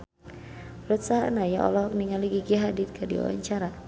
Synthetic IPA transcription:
ɾut̪̚saɦanajaʔɔ̰lɔhɔk̚niŋaliɡiɡiɦadɪt̪̚kədḭɔ̰wa̰ɲt͡ʃaɾa

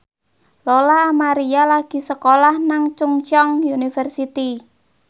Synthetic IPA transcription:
lolaːmaɾijalaɡ̥i̤səkolahnaŋt͡ʃuŋt͡ʃɔŋjunifərsit̪i

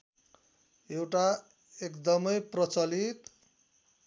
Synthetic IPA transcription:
ewʈa | ekd̪ʌmʌjprʌt͡sʌlit̪

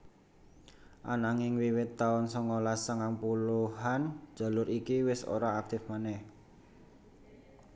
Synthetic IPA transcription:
ʔa̰naŋɪŋwiwɪt̪ːaʊnsɔŋɔlasəŋaŋpuluɦan̥d͡ʒ̥a̤lʊɾikiwɪso̰ɾaːk̚t̪ɪfmanɛh

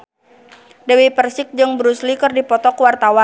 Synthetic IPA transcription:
dəwipərsɪk̚d͡ʒɨŋbɾuslikɨrdipɔt̪ɔkwart̪awa

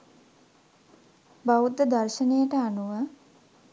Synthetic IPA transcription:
baʋut̪ːəd̪arʃənejəʈəanuʋə

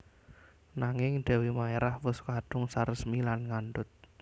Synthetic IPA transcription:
naŋɪŋɖ̥ɛ̤wimaeɾahwʊskaɖ̥ʊŋsarəsmilanŋanɖʊt̪̚

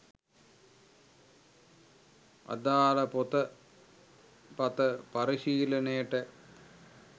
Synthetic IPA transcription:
ɐ̰d̪aːlɐpot̪ɐ | pɐt̪ɐpɐɾiɕiːlɐneːʈːɐ

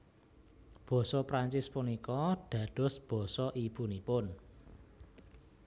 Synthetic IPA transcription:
b̥ɔ̤sɔpɾaɲt͡ʃɪspunikɔɖ̪̥ä̤ɖ̪̥ɔ̤sb̥ɔ̤sɔʔib̥ṳnipʊn

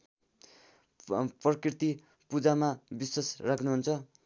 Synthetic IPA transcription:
prʌkirt̪i | pud͡zamabiswasrakʰnuɦunt͡sʰʌ

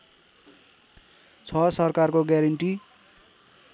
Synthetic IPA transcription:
t͡sʰʌsʌrkarkoɡjaɾʌɳʈi

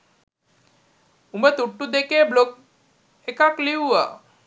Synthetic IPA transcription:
umbət̪uʈːud̪ekeblok̚ | ekakliuʋa̰

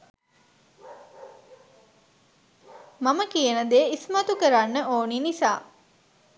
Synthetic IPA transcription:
maməkijənəd̪eismat̪ukəɾanːəʔoːninisa̰ː

